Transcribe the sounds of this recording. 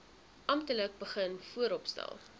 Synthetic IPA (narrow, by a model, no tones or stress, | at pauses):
ʔɐmtələk̚bəχənfuəɾɔpstæ̰lˠ